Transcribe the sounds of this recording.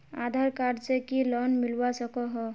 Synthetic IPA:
aːd̪ʱaɾkaɾt͡ʃekilɔnmɪlwasəkɔɦɔ

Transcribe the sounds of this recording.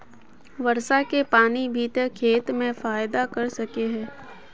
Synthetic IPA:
ʋɐɾsakepaːnibʱiːt̪əkʰeːt̪mẽfaːjd̪akɐɾsɐkeɦɛ̃ː

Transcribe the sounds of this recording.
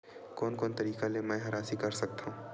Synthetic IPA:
koːnkoːnt̪ɐɾiːkalemɛ̃ːɦɐɾaːsikɐɾsɐk̚t̪aɦũː

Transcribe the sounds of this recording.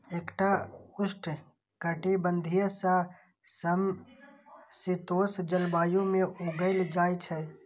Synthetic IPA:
ekʈaʊsʈ | kəʈibə̃nd̪ʱijəsã | səm | sit̪oːsd͡ʒəlbaːjõmẽʔoɡəɪld͡ʒaːjt͡ʃʰɛ

